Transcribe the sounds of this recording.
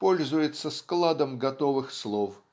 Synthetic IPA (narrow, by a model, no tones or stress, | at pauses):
po̞lʲzʊjɪt̪sːəsklˠad̪əmɡɐt̪ovɨxslˠof